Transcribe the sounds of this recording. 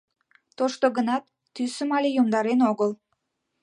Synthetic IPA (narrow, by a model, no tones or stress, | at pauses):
t̪oʃt̪oɣənɑt̪ːysəmɑlʲejumd̪ɑɾenoɣəl